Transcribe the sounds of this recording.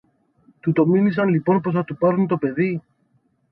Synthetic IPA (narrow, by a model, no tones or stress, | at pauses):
t̪ut̪o̞milis̬ɐnlipo̞npo̞s̬θɐt̪upɐɾunt̪o̞pe̞ði